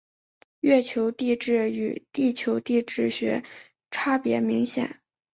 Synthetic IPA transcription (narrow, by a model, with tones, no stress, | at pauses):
ɥɛ˥˩t͡ɕʰjo˧˥ʊt̪i˥˧ʈ͡ʂɻ̩˥˩y˨˩t̪i˥˩t͡ɕʰjo˧˥ʊt̪i˥˧ʈ͡ʂɻ̩˥˩ɕɥɛ̰˧˥ | ʈ͡ʂʰa˥pjɛ̰˧˥mi˧˥ŋɕjɛ̰˨˩˦n